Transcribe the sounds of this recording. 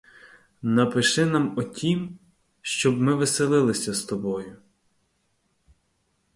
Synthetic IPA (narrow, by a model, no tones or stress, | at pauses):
nɐpɪʃɪnamɔtʲʰim | ʃt͡ʃɔbmɪʋɪselˠɪlˠɪsʲɐst̪ɔbɔjʊ